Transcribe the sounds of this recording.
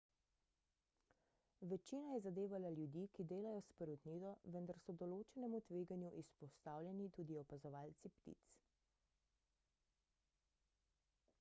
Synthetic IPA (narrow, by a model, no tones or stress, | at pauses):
ʋɛt͡ʃiːnajɛzad̪eːʋalaljud̪iːkid̪eːlajɔspɛɾud̪nid̪ɔʋənd̪aɾsɔd̪ɔloːt͡ʃɛnɛmut̪ʋeːɡanjuʔispɔst̪aːwljɛnit̪uːd̪iɔpazɔʋaːlt̪sipt̪ḭt̪s